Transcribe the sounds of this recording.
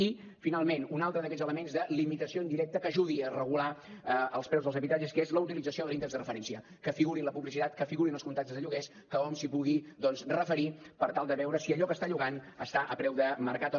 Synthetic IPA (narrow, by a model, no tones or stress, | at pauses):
i | finalˠmenunalˠt̪ɾəðəkɛzələmenzðəlimit̪əsioənd̪iɾɛk̚t̪əkəʒuðiərəɣulaəəlˠspɾɛwzðəlzəβit̪ɾad͡ʒəskezləut̪ilid͡zəsioðəlˠint̪eɛzðərəfəɾɛnsiə | kəfiɣuɾinləpuβlisit̪at̪kəfiɣuɾinəlˠskunt̪ak̚t̪əzðəʎuɣɛs | kəɔmsipuɣid̪ɔnzrəfəɾipəɾt̪alˠd̪əβɛwɾəsiəʎɔkəst̪aʎuɣan | əst̪aʔəpɾɛwðəməɾkat̪